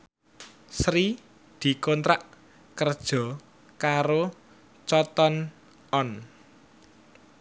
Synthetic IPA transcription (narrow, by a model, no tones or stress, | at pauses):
sɾi | d̪̥i̤kɔnt̪ɾaʔ | kərd̥ʒ̥ɔ̤ | kaɾo | t͡ʃɔt̪ɔn | ɔn